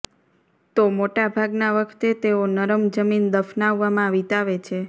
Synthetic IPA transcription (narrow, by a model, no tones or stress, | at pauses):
t̪omoʈabʱaɡnaʋəkʰt̪et̪eonəɾəmd͡ʒəmind̪əfnaʋːamãʋit̪aʋet͡ʃʰe